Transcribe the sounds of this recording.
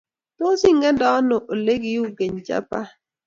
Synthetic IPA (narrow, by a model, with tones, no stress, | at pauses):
to˦si˦ŋɡɛ˦ndɔ˦nɔ˨ʔo˨le˦ɡi˨jo˦ɡe˨ɲt͡ʃa̰˦pa˦